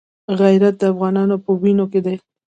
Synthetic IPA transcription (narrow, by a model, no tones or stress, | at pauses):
ɣajɾat̪̚d̪əafɣɑnɑnopəwinoked̪aj